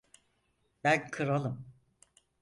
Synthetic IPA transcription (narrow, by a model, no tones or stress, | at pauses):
bænkʰɯɾalˠɯm